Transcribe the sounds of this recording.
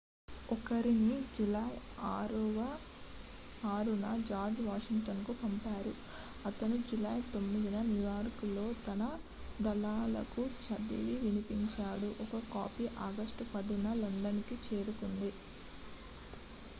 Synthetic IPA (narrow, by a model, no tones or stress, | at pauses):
ɔkɐɾinid͡ʒulɐj | aːɾuʋɐ | aːɾunɐd͡ʒaːɾd͡ʒʋaːʂiŋʈɐnkupɐmpaːɾu | ɐt̪ɐnud͡ʒulɐjt̪o̞mːid̪inɐnjujaːɾkulo̞ːt̪ɐnɐ | d̪ɐlaːlɐ̰kut͡ʃɐd̪iliʋinipiɲt͡ʃaːɽuʔɔkɐkaːpiʔɐɡɐsʈupɐɽunɐlɐɳɖɐnikit͡ʃe̞ːɾukund̪i